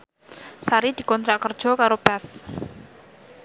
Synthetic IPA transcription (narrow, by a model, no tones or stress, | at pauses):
saɾid̪̥i̤kɔnt̪ɾaʔkər̥ʒ̥ɔ̤kaɾob̥aθ